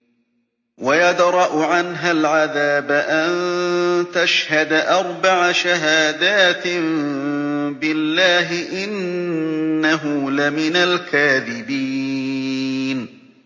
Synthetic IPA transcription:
wajad̪ɾˤɑʔʊʕanɦalʕaðaːbaʔant̪aʃhad̪aʔɑɾˤbaʕaʃaɦaːd̪aːt̪m | bɪlːaːɦɪʔɪnː | aɦʊlamɪnalkaːðɪbiː | n

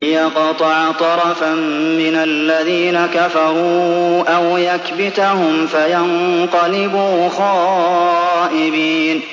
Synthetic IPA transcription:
jaqɑt̪ˤɑʕt̪ˤɑɾˤɑfamːɪnalːaðiːnakafɑɾˤuːʔawjakbɪt̪ahʊmfajanqɑlɪbuːxɑːʔɪbiːn

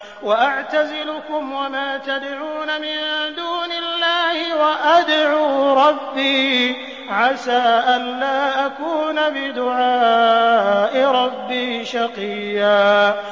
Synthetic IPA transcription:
waʔaʕt̪azɪlʊkʊmwamaːt̪ad̪ʕuːnamɪnd̪uːnɪlːaːhɪwaʔad̪ʕuːɾˤɑbːiː | ʕasaːʔanlaːʔakuːnabɪd̪ʊʕaː | ʔɪɾˤɑbːiːʃɑqijːaː

